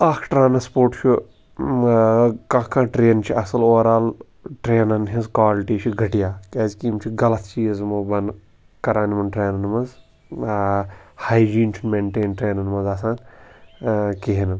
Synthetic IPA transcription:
ɐkʰʈɾaːnɐspoːɾʈt͡ʃʰu | kãːkãːʈɾeːnt͡ʃʰiɐsɐloːɾaːl | ʈɾeːnɐnɦizkwaːliʈiːt͡ʃʰiɡʱɐʈijaːkʲeːzkiːmt͡ʃʰiɡɐlɐt̪ʰt͡ʃiːzmɐbɐn | kɐɾaːnimɐnʈɾeːnɐnmɐz | haːjd͡ʒiːnt͡ʃʰinmeːɳʈeːnʈɾeːnɐnmɐnzaːsãːn | keɦinɐ

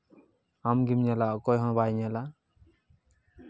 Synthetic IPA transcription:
amɡimɲalaɔkɔjɦɔ̃bajɲala

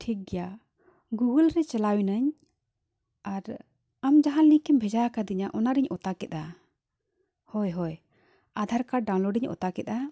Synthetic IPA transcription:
ʈʰik̚ɡɛja | ɡuɡəlɾɛt͡ʃɛlawjnaɲ | aɾ | amd͡ʒaɦanːikɛmbʱɛd͡ʒaakad̪iɲaʔɔnaɾiɲʔɔt̪akɛt̪a | hɔjɦɔj | ad̪ʱaɾkaɖawnlɔɖiɲɔ̰t̪akɛt̪a

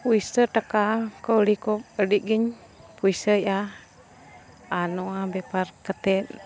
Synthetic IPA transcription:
puisətəkakəulikop̚ədiɡəɲ | puisəja | anoabeparkət̪ɛn

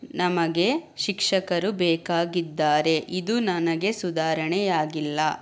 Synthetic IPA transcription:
nɐmɐɡe̞ʃikʂɐkɐɾubɛːkaːɡid̪ːaːɾe̞ʔid̪unɐnɐɡe̞sud̪aːɾɐɳɛjaːɡilːɐ

